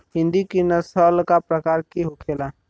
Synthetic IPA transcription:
ɦɪ̃nd̪ikinəsəlkapɾəkaɾkiɦokʰela

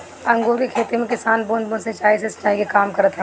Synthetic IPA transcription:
ɐ̃ŋɡõkekʰeːt̪emẽkɪsaːnboːnboːnsɐ̃t͡ʃaːisesə̥t͡ʃaːĩɡekaːmkɐɾət̪ɦɛ

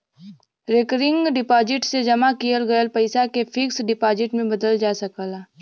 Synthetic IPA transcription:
ɾekɾɪ̃ŋɡɖɪpaːd͡ʒɪʈsed͡ʒɐmakijəlɡɐjəlpɐɪsakefʰɪksɖɪpaːd͡ʒɪʈmẽbɐd̪əld͡ʒaːsɐkaːlaː

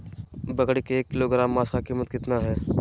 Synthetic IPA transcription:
bɐkɽikeːkːɪloɡɾaːmːaːsakiːmːət̪kɪt̪naɦɛː

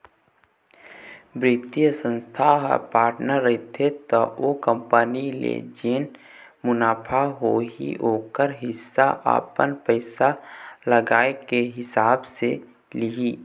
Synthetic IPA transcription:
bɾɪt̪ijəsə̃nst̪ʰaɦə̰paːɾʈnəɾːəɦit̪ʰet̪ɔʔokə̃mpənilḛd͡ʒen | mʊnaːpʰaɦoḭoːkəɾɦɪsːaʔa̰ːpənpəɪsaləɡaːekeɦɪsaːbse | liɦi

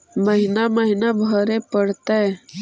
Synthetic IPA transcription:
məɦɪnaməɦɪnabʱəɾepəɽt̪e

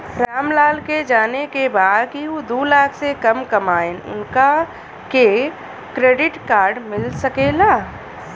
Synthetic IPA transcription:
ɾaːmlaːlked͡ʒaːnekebaːd̪kiɦod̪oːlaːkʰsekɐmkɐmaːenʊ̰nka | ke | kɾeːɖɪʈkaːɾɖmɪlsəkelaː

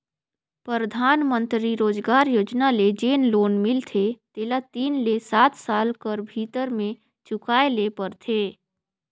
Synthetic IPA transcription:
pɾəɾəd̪ʱaːnmə̃nt̪ɾiɾoːd͡ʒɡaːɾjoːd͡ʒnaled͡ʒeːnloːnmɪlt̪ʰet̪eːlat̪iːnlesaːt̪saːlkəɾbʱit̪əɾmẽ | t͡ʃʊkaːelepəɾt̪ʰe

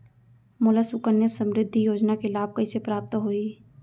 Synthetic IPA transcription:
mʊlasʊkənjəsə̃mɾɪd̪ʱːijoːd͡ʒnakelaːb̚kɐisepɾaːp̚t̪ɦoːi

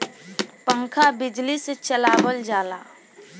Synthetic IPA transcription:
pə̃ŋkʰabɪd͡ʒliset͡ʃəlaːwəld͡ʒaːla̰ː

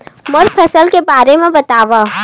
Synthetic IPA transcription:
mʊɾpʰɐsəlkebaːɾemẽbɐt̪aːʋa

